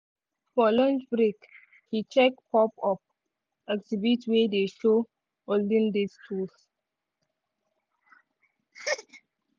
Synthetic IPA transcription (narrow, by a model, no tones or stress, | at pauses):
fɔlɔ̃nt͡ʃbɾek | hit͡ʃɛkpɔpɔp̚ | ɛɡsibitwedeʃo | oldə̃ndestʰus